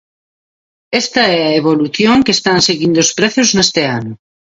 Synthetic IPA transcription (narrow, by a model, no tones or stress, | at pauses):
est̪aɛaeβ̞oluθjoŋkest̪anseɣind̪ospɾeθoznest̪eano